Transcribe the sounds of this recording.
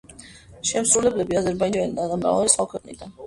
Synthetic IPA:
ʃɛmsɾulɛblɛbiazɛɾbaid͡ʒalid̪ad̪amɾa̰valɛsχwakʰwɛqʼnḭd̪an

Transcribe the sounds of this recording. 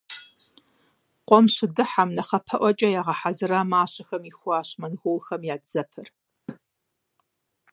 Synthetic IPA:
qʷʼɔmɕɪdɨħamnɐχɐpʰɐʔʷɔt͡ʃʼɐjaːʁɐħazɨɾaːmaːɕɐxɐmixʷaːɕmɐnɣowxɐmjaːdz̥ɐpʰɨr

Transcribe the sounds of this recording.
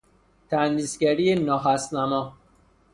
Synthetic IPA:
t̪ʰænd̪isɡæɾienɒːɦæsnæmɒ

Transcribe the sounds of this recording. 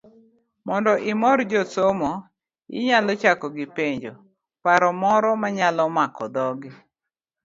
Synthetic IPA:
mɔndɔʔɪmɔrd͡ʒɔsomɔ | ɪ̰ɲalɔt͡ʃakɔɡɪpeɲd͡ʒo | paɾɔmɔɾɔmaɲalɔmakɔd̪ɔɡɪ

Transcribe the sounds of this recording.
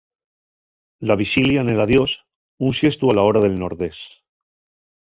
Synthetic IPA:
laβ̞iʃiljane̞laðjos | unsje̞st̪ualaoɾaðe̞lnoɾðe̞s

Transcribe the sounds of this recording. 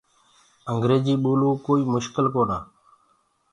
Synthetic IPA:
əŋɡɾeːd͡ʒiːɓoːlũːkoːiːmʊʃkəlkoːnaː

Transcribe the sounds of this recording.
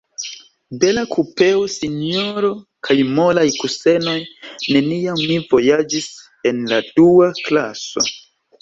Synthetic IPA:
be̞lakʰupe̞osinio̞ɾo̞kʰajmo̞lajkuse̞no̞jne̞nijamːivo̞jad͡ʒis | e̞nladuaklaso̞̰

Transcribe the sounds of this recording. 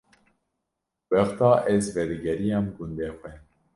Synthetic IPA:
wɛxt̪ɑːʔɛzvɛɾɨɡɛɾijɑːmɡund̪ɛxwɛ

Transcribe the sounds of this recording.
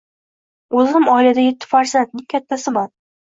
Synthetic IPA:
ɵzɪmɒɪlad̪ajet̪ʰːɪ̥faɾsant̪̚nɪŋʲkʲʰat̪ʰːasɪman

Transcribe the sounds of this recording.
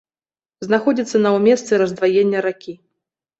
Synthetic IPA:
znaxɔd͡zʲit̪sːɐnɐwmʲɛst̪sɛɾɐzd̪vajenʲːɐɾakʲi

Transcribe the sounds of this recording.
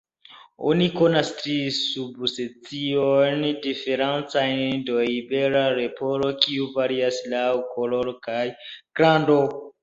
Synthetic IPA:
o̰nikonastɾisubset͡siojndife̞ɾant͡sajndoibeɾaɾepoɾokiuvaɾiaslawkʰoloɾokajɡ̥ɾando

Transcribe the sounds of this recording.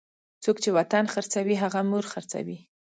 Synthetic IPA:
t͡sokt͡ʃewat̪anxaɾt͡sawiɦaɣamuɾxaɾt͡sa̰wi

